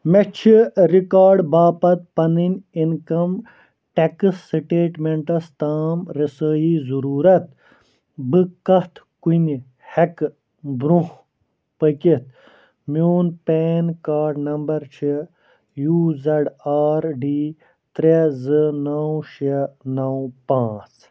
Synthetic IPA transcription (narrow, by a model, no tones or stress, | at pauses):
met͡ʃʰiɾikaːɾɖbaːpɐt̪̚pɐninʲinkɐm | ʈekɨsːiʈeːʈmeɳʈɐst̪aːmɾisəːjizuɾuːɾɐt̪̚ | bɨkɐht̪kuni | hek | bɾuh | pəkit̪ | mjuːnpeːnkaːɾɖnɐmbɐɾt͡ʃʰi | juːzɐɖaːɾɖiː | t̪ɾezɨnɐwʃenɐwpãːt͡s